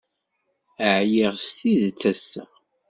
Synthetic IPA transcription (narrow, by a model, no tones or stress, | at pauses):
əʕjiʁst̪iðt͡sːæsːæ̰